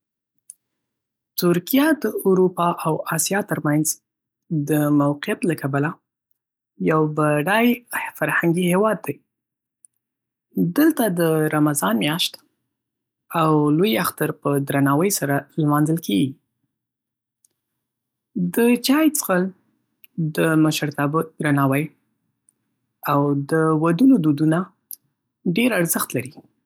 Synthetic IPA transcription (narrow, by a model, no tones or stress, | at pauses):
t̪ʊɾkijad̪əuɾupɑʔawɑsjɑt̪əɾmanz | d̪əmawqɪjat̪lakabala | jawbaɖajfaɾhaŋɡihewɑd̪ːaj | d̪əlt̪ad̪əɾamazɑnmjɑʃt̪ | awlojaxt̪aɾpəd̪ɾanɑwəjsaɾalmɑnzəlkeɡi | d̪ət͡ʃɑjt͡sə̥xəl | d̪əmaʃəɾt̪ɑbəd̪ɾanɑwəj | awd̪əwad̪unod̪ud̪una | ɖeɾaɾzəxt̪laɾi